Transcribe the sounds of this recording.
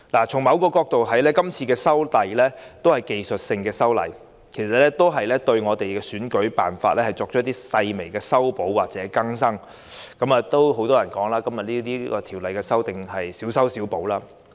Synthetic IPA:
laː˨˩t͡sʰʊ˨˩ŋmɐ˨˧wkɔː˧kɔː˧k̚t̪o˨wɦɐ˨˥jlɛː˥kɐ˥mt͡sʰiː˧kɛː˧sɐ˥wt̪ɐ˨jlɛː˥t̪o˥whɐ˨˩jke˨jsɵ˨t̚sɪ˧ŋkɛː˧sɐ˥wlɐ̰˨˩j | kʰe˨˩sɐ˨t̚lɛ˥t̪o˥wɦɐ˨jlɛː˥t̪ɵ˧ɥŋɔː˨˧t̪e˨jkɛː˧syː˨˥nkɵ˨˥ɥpa̰ː˨nfa̰ː˧t̚lɛː˥hɐ˨jt͡sɔː˧k̚t͡ʃʰɔː˥t̪iː˥sɐ˧jme˨˩jkɛː˧sɐ˥wpo˨˥wwaː˨k̚t͡sɛː˨˥kɐ˥ŋsɐ˥ŋ | kɐ˨˥maː˨˧t̪o˥wɦo˨˥wt̪ɔː˥jɐ˨˩nkɔː˨˥ŋlaː˥kɐ˥mjɐ˨t̚liː˥t̪iː˥kɔ̰ː˧t̪ʰiː˨˩wlɐ˨jkɛ˧sɐ˥wt̪ɪ˨ŋɦɐ˨jsiː˨˥wsɐ˥wsiː˨˥wpo˨˥wlaː˥

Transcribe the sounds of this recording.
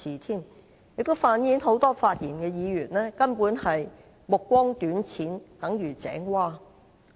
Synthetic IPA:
iː˨˩t̪ʰiː˥˩m | jɪ˨k̚t̪o˥wfaː˨˧njiː˨˥nɦo˨˥wt̪ɔː˥faː˧t̚jiː˨˩nkɛː˧jiː˨˧ɥyː˨˩nlɛː˥kɐ˥npuː˨˥nhɐ˨j | mʊ˨kːʷɔː˥ŋt̪yː˨˥nt͡sʰiː˨˥nt̪ɐ˨˥ŋjyː˨˩t͡sɛ̰ː˨˥ŋwaː˥˩

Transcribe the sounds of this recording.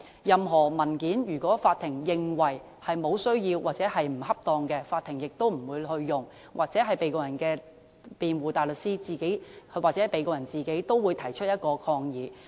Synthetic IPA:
jɐ˨mɦɔː˨˩mɐ˨˩nkiː˨˥njyː˨˩kɔː˨˥faː˧t̪ʰɪ˨˩ŋjɪ˨ŋwɐ˨˩j | hɐ˨jmo˨˧wsɵ˥ɥjiː˧wwaː˨k̚t͡sɛː˨˥hɐ˨jm̩˨˩hɐ˥p̚t̪ɔː˨˧ŋkɛ˧faː˧t̪ʰɪ˨˩ŋjɪ˨k̚t̪o˥wm̩˨˩wuː˨˧jhɵ˧ɥːʊ˨ŋ | wʔa̰ː˨k̚t͡sɛː˨˥ɦɐ˨jpe˨˧jkɔː˧jɐ˨˩nkɛː˧ | piː˨nwuː˨t̪aː˨jlɵ˨t̚siː˥t͡siː˨˩ke˨˥waː˨k̚t͡sɛː˨˦˥pe˨˧jkɔː˧jɐ˨˩nt͡siː˨˩ke˨˥jt̪o˥wwuː˨˧jt̪ʰɐ˨˩jt͡ʃʰɵ˥t̚jɐ˥t̚kɔː˧kʰɔː˧ŋjiː˨˧

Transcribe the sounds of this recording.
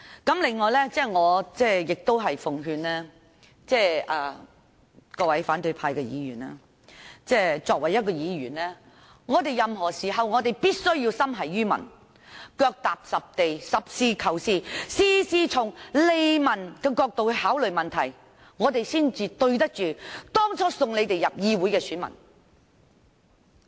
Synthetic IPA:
kɐ˨˥mlɪ˨ŋːɔː˨jlɛː˥t͡sɛː˥˩ŋɔː˨˧t͡sɛː˥jɪ˨k̚t̪o˥wɦɐ˨jfʊ˨ŋɦyː˧nlɛː˥ | t͡sɛː˥˩ʔɐː˨ | kɔː˧wɐ˨˥jfaː˨˥nt̪ɵ˧ɥpʰaː˧jkɛ˧jḭː˨˧jyː˨˩na̰ː˥ | t͡sɛː˥t͡sɔː˧k̚wɐ˨˩jɐ˥t̚kɔː˧jiː˨˧ɥyː˨˩nlɛː˥ | ŋɔː˨˧t̪e˨˩jjɐ˨mɦɔː˨˩siː˨˩ɦɐ˨wŋɔː˨˧t̪e˨jpiː˥t̚sɵ˥ɥji˧wsɐ˥mɦɐ˨jːyː˥mɐ̰˨˩n | kœː˧k̚t̪aː˨p̚sɐ˨p̚t̪e˨jsɐ˨p̚siː˧˥kʰɐ˨˩wsiː˥˩siː˥siː˧˥t͡sʰʊ˨˩ŋle˨jmɐ˨˩nkɛː˧kɔː˧k̚t̪o˨whaː˨˥wlɵ˨ɥmɐ˨nt̪ʰɐ˨˩j | ŋɔː˨˧t̪e˨jsiː˥nt͡siː˧t̪ɵ˧ɥt̪̬ɐ˥k̚t͡ʃyː˨t̪ɔː˥ŋt͡sʰɔː˨˥sʊ˨ŋle˨˧jt̪e˨jɐ˨p̚jiː˧wuː˨˥jkɛː˧syː˨˥nmɐ̰˨˩n

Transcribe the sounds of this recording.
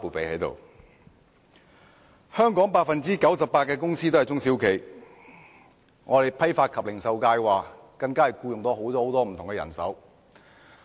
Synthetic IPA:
puː˨˩pe˨˧jhɐ˨˥jt̪o̰˨w | hœː˥ŋkɔː˨˥ŋpaː˧t̚fɐ˨nt͡siː˥kɐ˨˥wsɐ˨p̚ːaː˧t̚kːɛː˧kʊ˥ŋsiː˥t̪o˥ɐ˨˩jt͡sʊ˥ŋsiː˨˥wkʰe˨˩j | ŋʔɔː˨˧ɾe˨jpʰɐ˥jfaː˧t̚kʰɐ˨p̚lɪ˨˩ŋsɐ˨˧wkaː˧jwaː˨˩ | kɐ˧ŋkaː˥ɐ˨˩jkuː˧jʊ˨ŋt̪ɔː˥ho˨˥wt̪ɔː˥ho˨˥wt̪ɔː˥m̩ʰ˨˩ʊ˨ŋkɛː˧jɐ̰˨˩nsɐ˨˥w

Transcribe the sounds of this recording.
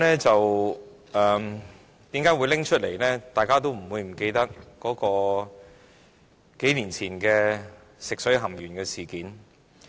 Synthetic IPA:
nɛː˥t͡sɐ˨w | ɛ˨ | t̪iː˨˥mkaː˨˥jwu˨˧jlɪ˥ŋt͡ʃʰɵ˥t̚le˨˩jlɛː˥t̪aː˨jkaː˥t̪̬o˥wm̩˨˩wuː˨˧jm̩˨˩ke˧jt̪ɐ˥k̚kːɔː˨˥kɔː˧ | ke˨˥jliː˨˩nt͡sʰiː˨˩nkɛː˧ | sɪ˨k̚sɵ˨˥ɥɦɐ˨˩mjyː˨˩nkɛː˧siː˨˩kiː˨˥n

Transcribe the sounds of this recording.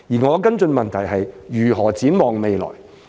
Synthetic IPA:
jiː˨˩ŋɔː˨˧kɐ˥nt͡sɵ˧nmɐ˨nt̪ʰɐ˨˩jhɐ˨jjyː˨˩ɦɔː˨˩t͡siː˨˥nmɔː˨ŋme˨jlɔ̰ː˨˩j

